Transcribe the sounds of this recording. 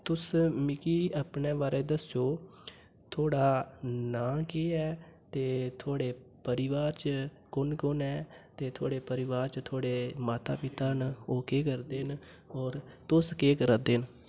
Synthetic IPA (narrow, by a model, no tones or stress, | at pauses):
t̪ʊsmɪkiːaːpneːʋaːɾeːd̪əsoː | t̪ʰoːɽaːnãːkeːɛːt̪eːt̪ʰoːɽeː | pəɾɪʋaːɾt͡ʃə | kʊnkʊnɛːt̪eːt̪ʰoːɽeːpəɾɪʋaːɾt͡ʃət̪ʰoːɽeːmaːt̪a̰ːpɪt̪aːnoːkeːkəɾd̪eːn | ɔːɾt̪ʊskeːkəɾad̪eːn